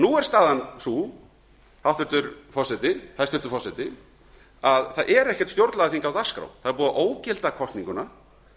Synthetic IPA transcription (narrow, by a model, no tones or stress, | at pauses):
nuɛɾ̥st̪aːðansu | hawt̪vɪɾt̪ʏɾ̥fɔsɛt̪ɪhajst̪vɪɾt̪ʏɾfɔsɛt̪ɪ | aðθaðʔɛɾɛhcɛ̥t̪st̪jowɾt̪laðaθiŋkawðḁskɾa̰wθaðɛɾpuːðaʔoːwcɪlt̪akʰɔst̪niŋkʏna